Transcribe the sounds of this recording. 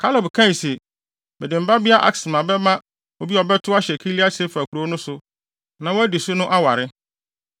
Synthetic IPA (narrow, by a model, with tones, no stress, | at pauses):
kʰa˦lɔ˨bkʰã˦˨sɛ˨ | bɛ˨dɪ˨m̩˨ba˦bɪ˦a˦ʔa̰˨ksɪ˨mã˨bɛ˦mã˦ | o˦bi˦ɔ˨bɛ˦tʰʊ˦a˦ɕɛ˨kʰi˦li˦a˦t͡ɕʰɪ˦fa˨kʰu˨ɾo˦nʊ̃˦sʊ˨ | nã˨wɔ˦æ˦di˨sʊ˦nʊ̃˦ʔa˦wa˨ɾɪ˦